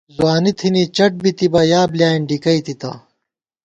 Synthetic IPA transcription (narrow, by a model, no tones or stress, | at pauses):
zwaːnit̪ʰinit͡ɕɐʈ̚bit̪ibɐjaːbljaːiɳɖikɐit̪it̪ɐ̰